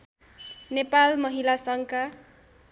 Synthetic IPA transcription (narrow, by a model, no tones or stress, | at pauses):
nepalmʌɦilasʌŋka